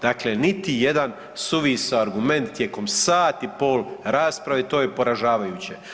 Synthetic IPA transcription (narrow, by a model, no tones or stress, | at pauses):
d̪̥aklenit̪ije̞d̪an | suʋisoaɾɡume̞nt̪ːje̞ko̞msaːt̪ipo̞ːlɾaːspɾaʋet̪o̞ːjepo̞ɾaʒaːʋajut͡ɕe̞